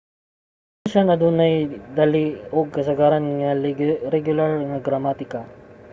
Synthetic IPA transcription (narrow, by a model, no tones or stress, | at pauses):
ʃanɐd̪uːnɐjd̪alioɡ̚kɐsɐɡaːɾɐnŋɐɾɛɡjʊlaɾŋɐɡɾɐmat̪ɪka